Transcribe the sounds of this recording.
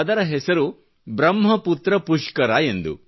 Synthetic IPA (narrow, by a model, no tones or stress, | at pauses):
ɐd̪ɐɾɐɦɛsɐɾu | bɾɐmɦɐput̪ɾɐpuʂkɐɾaːend̪ṵ